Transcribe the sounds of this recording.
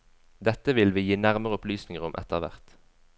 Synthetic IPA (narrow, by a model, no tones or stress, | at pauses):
d̪ɛt̪ːəʋɪlʋiːjiːnæʁməʁəʊplyːsnɪŋəʁʊmʔɛ̰t̪əʁʋæ̰ʁt̪